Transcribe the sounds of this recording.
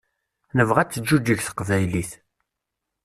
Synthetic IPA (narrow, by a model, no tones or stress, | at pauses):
nəvʁæt͡sːəd͡ʒːud͡ʒəçθə̥qvæjliθ